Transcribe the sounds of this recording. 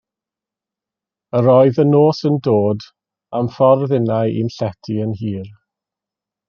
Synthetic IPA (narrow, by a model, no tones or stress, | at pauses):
əɾɔɨðənoːsəndoːd | amfɔrðɪnaɨʔḭnɬɛtʰiənhiːr